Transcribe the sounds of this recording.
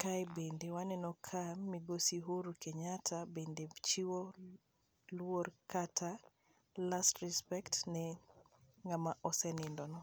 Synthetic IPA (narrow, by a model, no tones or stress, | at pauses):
kajbendewanɛnɔkʰamːiɡosiɦuɾukeɲatʰabendet͡ʃiwo | lwoɾkatʰa | lastɾɛspɛktnɛ | ŋɡamaʔɔsɛnɪndɔnɔ